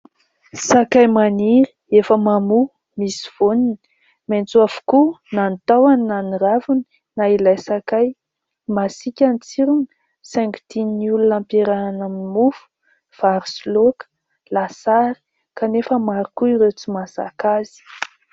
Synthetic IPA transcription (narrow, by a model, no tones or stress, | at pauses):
sakajmaniɾi̥ | efəmamu | misi̥v̥onin | ment͡suavu̥kunant̪awaninaniravuni̥ | nailajsakaj | masikʲant͡siɾun | sɛ̃ŋkt̪inulunampeɾaanaminimufu̥ | v̥aɾslokə̥ | lasaɾi̥ | kanefəmaɾukuiɾet͡simasa̰kaz̥i̥